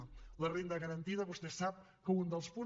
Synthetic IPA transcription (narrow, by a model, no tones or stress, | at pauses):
lərend̪əɣəɾənt̪iðəβust̪ɛsap̚ | kəund̪əlˠspu